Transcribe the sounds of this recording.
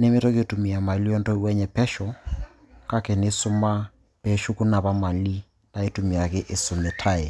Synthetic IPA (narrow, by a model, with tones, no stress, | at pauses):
ne˦me˦tɔ˦ke˦˨tu˨mi˨a˨ma˨li˦ɔ˦ntɔ˦wɛ˦ɲɛ˨pɛ˦ʃɔ˨ | ka˦kɛ˨ne˦sʊ˦ma˦ | pɛ˨ʃu˦ku˦na˨βa˦ma˨li˦ | na˨e˦tu˨mi˨a˨kɪ˦ʔe˦sʊ˨me˨tʰa˦ɛ˨